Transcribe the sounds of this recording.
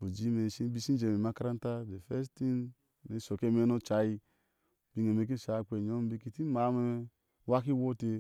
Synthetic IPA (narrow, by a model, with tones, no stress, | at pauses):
bo˨d͡ʒi˦me˨si˦bi˦si˦d͡ʒe˨me˨ma˦ka˦ɾa˦n˦ta˦de˨fe˦sti˦n | me˨˦so˨ke˦me˦no˦t͡ʃa˨ji˦ | bi˨˦ŋ˨e˨me˨k̬i˦˨ʃa˨˦˨k͡pe˨ɲo˦m˦bi˦ki˦˨ti˦ma˨˦me˦ | wa˦ki˦wo˦te˧